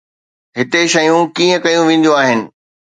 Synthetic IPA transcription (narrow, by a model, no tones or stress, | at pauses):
ɦɪt̪eʃɐjũkiːə̃kɐjũʋẽːn̆d̪joaːɦɪnɪ̆